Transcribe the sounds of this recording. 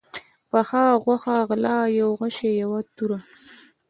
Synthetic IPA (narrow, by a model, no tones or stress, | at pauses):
paxɑɣwaxaɣlɑjawɣaʃejawat̪uɾa